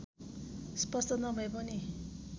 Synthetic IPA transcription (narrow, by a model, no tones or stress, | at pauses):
spʌst̪ʌnʌbʱʌepʌni